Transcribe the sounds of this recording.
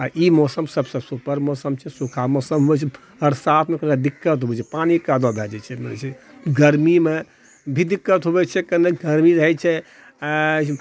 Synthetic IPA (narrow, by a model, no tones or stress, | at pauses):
aimɔsəmsəbsəsupəɾmɔsəmt͡ʃʰɛsukʰamɔsəmɦobɛt͡ʃʰɛ | ɦəɾsat̪ʰmekəned̪ikːət̪ɦobɛt͡ʃʰɛpanikad̪ɔd̪aɦɛd͡ʒɛt͡ʃʰɛmənɛ̰t͡ʃʰɛ | ɡəɾmime | bʱid̪ikːət̪ɦobɛt͡ʃʰɛkəneɡəɾmiɾəɦɛt͡ʃʰɛ